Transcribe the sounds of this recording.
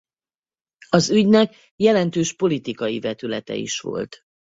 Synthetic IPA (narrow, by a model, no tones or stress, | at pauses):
ɒzyɟnɛk | jɛlɛnt̪øːʃpo̞lit̪ikɒjivɛt̪ylɛt̪ɛ̰ḭʃʋo̞̰lt̪